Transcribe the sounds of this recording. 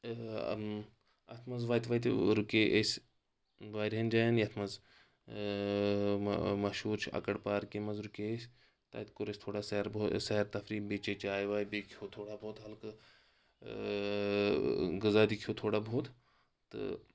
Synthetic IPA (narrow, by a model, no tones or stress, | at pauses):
ɐ̰t̪ʰmɐzʋaːjt̪ʰʲʋɐːt̪ɾukʲeːʔesʲ | ʋaːɾɦɐnd͡ʒaːjɐnjɐt̪ʰmɐz | mɐʃuːɾt͡ʃʰɐ̰kɐɽpaːɾkemɐzɾukeesʲ | t̪a̰ːt̪kuɾesʲt̪ʰoːɽaːsɐɾbsɐɦɾt̪ɐfɾiːbeːt͡ʃeːt͡ʃaːjʋaːibekʰoːt̪ʰoːɽaːbʱoːt̪ɦɐlk | ɡɨzaːd̪ikʰʲoːt̪ʰoːɽabʱoːt̪ | t̪ɨ̰